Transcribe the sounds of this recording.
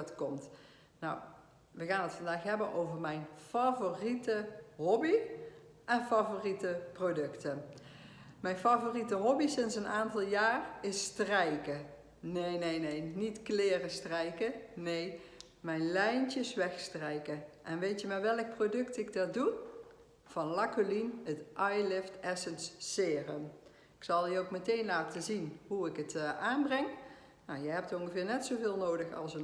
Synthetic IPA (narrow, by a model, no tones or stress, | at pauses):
tkɔmt | na̰w | ʋəɣaːnətfɑndaːxɦɛbənʔowvəɹmɛjnfavoritəɦɔbi | ʔɛnfavoritəprodɵktə | mɛjnfavoritəɦɔbisɪnsənʔaːntɑlˠjaːrɪstrɛjkə | nejnejnejnitklɪːrəstrɛjkənej | mɛjnlɛjnt͡ʃɪsʋɛxstrɛjkəʔɛnʋejtjəmaːʋɛlˠk̚prodɵktɪɡ̚dɑdu | v̥ɑnlɑkolinətʔɑjlɪftɛsənsːɪːrəm | ɪ̥ksɑlˠiowkmətejnlaːtəzinɦuɪkətʔaːnbrɛŋ | nawjəɦɛp̚tɔŋxəvɪːɹnɛtsowvɪːlˠnowdəxɑ̰lˠsən